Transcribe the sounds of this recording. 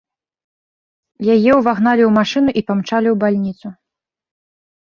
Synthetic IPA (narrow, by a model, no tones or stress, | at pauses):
jajɛwvaɣnalʲiwmaʂɨnuʔipamt͡ʂalʲiwbalʲnʲit̪su